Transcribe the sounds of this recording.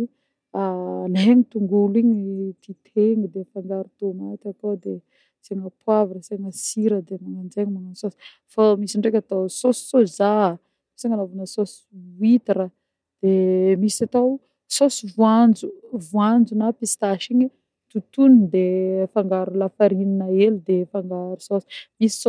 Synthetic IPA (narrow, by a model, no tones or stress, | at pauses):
alaɦeɲit̪uŋɡuliɲit̪it̪ʰeŋid̪efaŋɡaɾut̪omat̪at̪od̪e | seŋəpwavinəseŋəsiɾəd̪emaŋand͡ʒeɲimanasosi̥ | famisiɳɖ͡ʐek̬ʲat̪asosi̥soza | seŋəlavunəsos | wit̪iɾə | d̪̥emisat̪aw | sosivuand͡ʒuvuand͡zunapist̪aʃiɲi | t̪ut̪unid̪efaŋɡaɾulafaɾininəelid̪efaŋɡaɾusosi̥misi̥so